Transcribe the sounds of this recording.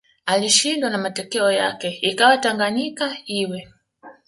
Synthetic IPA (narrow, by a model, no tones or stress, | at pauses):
aliʃindwanamatɔkɛɔjakɛikawataŋɡaɲikaiwɛ